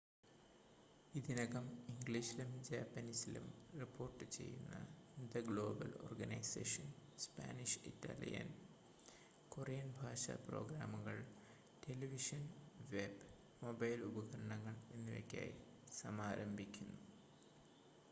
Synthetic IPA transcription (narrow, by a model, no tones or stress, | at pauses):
id̪inɐɣɐmiŋɡɭiɕilumd͡ʑaːpːɐnisilṵmripːo̞ːrʈːɨt͡ɕe̞̰jːunːɐ̰d̪ɐɡɭo̞ːbɐlo̞̰ːrɡɐnɐjsḛːʂɐnspa̰ːniʂitːa̰ːlḭjɐ̰n | korijɐnbʱaːʂɐ̰pro̞̰ːɡɾaːmuɣɐɭ | ʈe̞liʋiʂɐnʋeb | mobɐjlubɐɣɐɾɐɳɐŋːɐɭenːujḛkʲːa̰ːjḭ | sɐmaːɾʔɐmbʱikʲːunːu